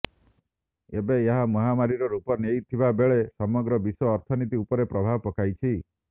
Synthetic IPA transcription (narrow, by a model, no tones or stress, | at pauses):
ebeeɦamɔɦamaɾiɾɔɾupɔnejt̪ʰibabeɭesɔmɔɡɾɔbiswɔːɾt̪ʰɔnit̪iupɔɾepɾɔbʱabɔpɔkajt͡ʃʰi